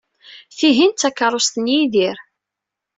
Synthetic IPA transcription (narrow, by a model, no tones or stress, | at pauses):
θiɦint̪ːækːəɾˤost̪ənjiðiɾ